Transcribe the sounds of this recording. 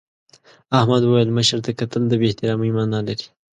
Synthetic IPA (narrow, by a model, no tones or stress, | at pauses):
ahmad̪wəwjəlməʃəɾt̪akat̪əld̪əbeht̪ɪɾɑːmijmɑnalaɾi̥